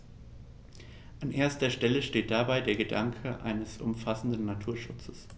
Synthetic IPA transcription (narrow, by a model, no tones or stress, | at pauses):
ʔanʔeːɐstɐʃtɛləʃteːt̚d̥abaɪdeːɐɡədaŋkʰəʔa̰ɪnəsʔʊ̰mfasn̩dn̩nːatʰuːɐʃʊt͡səs